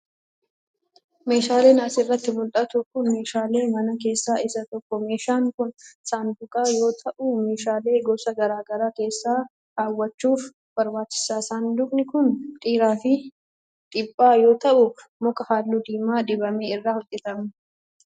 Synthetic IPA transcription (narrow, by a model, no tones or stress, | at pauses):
me̞ːʃaːle̞ːnaːsɪrːɐt̪ːɪmʊlᶑ̪ɐt̪ʊkʊnme̞ːʃaːle̞ːmɐnɐke̞ːsːaːɪsɐt̪ɔkːɔmeːʃaːŋkʊnsaːnd̪ʊkʼaːjo̞ːt̪ʰɐʔʊme̞ːʃaːle̞ːɡɔsɐɡɐɾaːɡɐɾaːke̞ːsːaː | haːwːɐt͡ʃːuːf | b̥ɐɾbaːt͡ʃːɪ̥saːsand̪ʊkʼnɪkʊnt̪ʼiːɾaːfɪ | t̪ʼɪpʼːaːjo̞ːt̪ɐʔʊmɔkʼɐhaːlːuːd̪iːmaːᶑ̪ɪbɐmeːɪrːaːhʊt̪ʼːɛt̪ɐm